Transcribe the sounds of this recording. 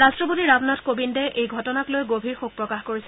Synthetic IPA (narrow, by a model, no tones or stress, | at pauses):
ɹastɹɔpotiɹabnɔtkobindɛʔejɡʱɔtɔnaklojɡobʱiɹxuk̚pɹɔkaxkoɹisɛ